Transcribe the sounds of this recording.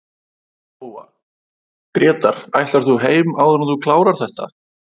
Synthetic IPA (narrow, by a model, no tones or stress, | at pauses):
oa | pɾjɛːt̪aɾ̥ajlt̪aɾ̥θuɦeːjmawðananθukʰlaːwɾaɾ̥θɛht̪a̰